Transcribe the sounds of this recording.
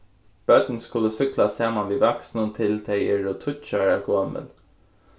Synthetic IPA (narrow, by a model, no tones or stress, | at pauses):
b̥œt̪nskʊlːəsʏklasaːmanʋiːʋaksnʊnt̪ʰɪlt̪ʰɛɪɪɹʊt̪ʰʊt͡ʃaɹaɡʰoːmə̰l